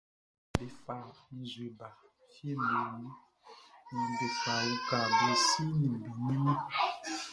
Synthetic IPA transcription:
be˨fa˨mi˨zwe˨ba˨ | fje˦mbe˨ni˦ | ni˨be˨fa˨i˦ka˨be˨si˦ni˨m˨bi˨ni˦mi˦

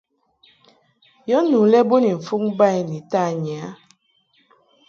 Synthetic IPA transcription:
jɔ˦nu˨lɛ˦bo˦ni˨ɱ̩˨fu˦ŋba˦˨i˨ni˨ta˦˨ɲ˨a˨˦

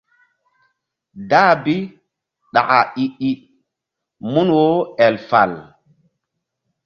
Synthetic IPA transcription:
da˦bi˦ | ɗa˨ʔa˨i˨ʔi˦˨ | mu˦nwo˦ɛ˨lfa̰˨l

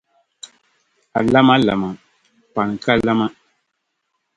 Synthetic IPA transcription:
a̰˨la˦ma˦la̰˨ma˨ | pa˨n˨ka˦la˦ma˦

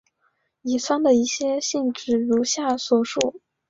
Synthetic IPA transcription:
i˨˩t͡sʰwa˥nd̪ə˨i˥˩ɕjɛ˥ɕi˥˧nʈ͡ʂɻ̩˥˩ɻu˧˥ɕja˥˩swɔ˥˩ʂu˥˩

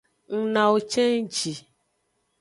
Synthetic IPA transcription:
ŋ̩˨nã˨wo˨t͡ʃɛ˦ŋ˦d͡ʒi˨

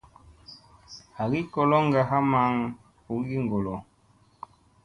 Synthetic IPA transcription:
ha˨ɣi˦kɔ˨lɔ˦ŋ˦ɡa˨ɦa˦ma˨˦ŋ | u˨˦ɡi˦ŋ˨ɡɔ˨lɔ˨

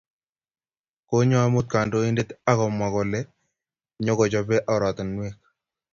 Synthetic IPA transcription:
ko˦ɲɔ˦a˦mʊ˦t̪̚ka˨ndo˦i˦nde˦t̪a˦kɔ˨mwa˨kɔ˨lɛ˦ | ɲo˦ɡɔ˨t͡ʃɔ˨pɛ˦ʔa˨ɾwa˨t̪ɔ˨nmwe˦k̚

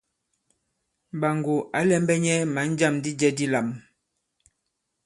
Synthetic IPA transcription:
ba˨ŋɡo˨a˨˦lɛ˦m˦bɛ˦ɲɛ˦ma˨˦n˦d͡ʒa˦˨mdi˦d͡ʒɛ˦di˦la˨m

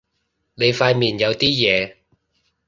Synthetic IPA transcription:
ne˨˧jfaː˧jmiː˨˩njɐ˨˧wt̪iː˥jɛː˨˧

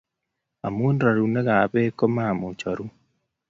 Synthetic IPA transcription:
a˨mu˦ndɾa˨ɾu˨ne˦ɣa˨βe˦ko˦ma˦˨mu˨t͡ʃa˨ɾu˦

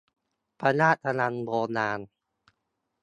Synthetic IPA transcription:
pa˧naː˥˩t̪ʰːa˧na˧nboː˧naː˧n

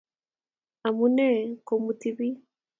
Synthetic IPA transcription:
a˨mu˦nɛ˦ko˨mu˨ti˦βi˦

